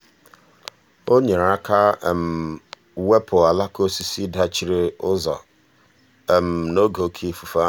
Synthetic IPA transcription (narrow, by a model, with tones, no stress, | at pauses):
o˦ɲe˨ɾa˦kʰa˦˨m̩˨ | we˦pʰo˨a˨la˦ko˦si˦si˦da˦t͡ʃi˦ɾe˦ʊ˦zɔ̰˨ | m̩˨no˦ɡo˨˦kʰi˦fu˨fa˦